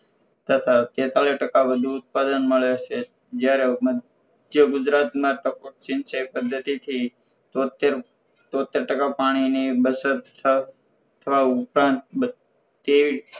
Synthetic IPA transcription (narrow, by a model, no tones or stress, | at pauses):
t̪ət̪ʰat̪et̪aliʈəkaʋəd̪ʱuːt̪̚pad̪ənməɭet͡ʃʰe | d͡ʒjaɾeməd̪ʱ | jəɡud͡ʒɾat̪mãʈəpoʈt͡ʃɪnsəpəd̪ʱːət̪it̪ʰi | t̪ot̪eɾ | t̪õt̪ːeɾʈəkapaɽ̃inibəsət̪ʰə | t̪ʰəʋaupɾãnt̪̚bə | t̪eʋi